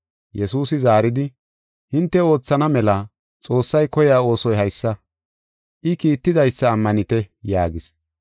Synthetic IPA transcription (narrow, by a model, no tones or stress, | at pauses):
jʔɛsuːsɪzaːɾɪd̪ɪ | hɪnt̪ːɛo̞ːt͡sːɐnɐmɛlɐ | t͡sʼo̞ːsːɐjkɔjaːo̞ːsɔjhɐjsːɐ | ʔɪkiːt̪ːɪd̪ɐjsːɐːmːɐnɪt̪ɛjaːɡɪs